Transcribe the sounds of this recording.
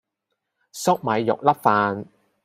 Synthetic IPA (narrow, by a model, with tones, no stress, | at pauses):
sʊ˥k̚mɐ˨˧jːʊ̰˨k̚lɐ˥p̚faː˨˧n